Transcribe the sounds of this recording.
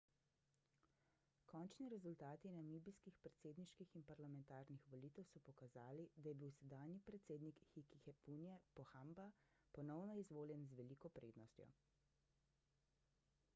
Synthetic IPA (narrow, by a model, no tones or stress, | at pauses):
kɔnt͡ʃniɾɛzult̪aːt̪inamibiskixpɾɛt̪seːd̪niʃkixinpaɾlamɛ̃nt̪aːɾnixʋɔliːt̪ɛwsɔpɔkazaːlid̪ajɛbiwsɛd̪aːnjipɾɛt̪seːd̪nikxikixɛpunjɛpɔxambapɔnɔwnɔizʋoːljɛnzʋɛlikɔpɾḛːd̪nɔst̪jɔ̰